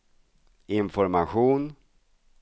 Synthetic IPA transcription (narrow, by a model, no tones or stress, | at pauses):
ɪnfɔɾmaɧuːn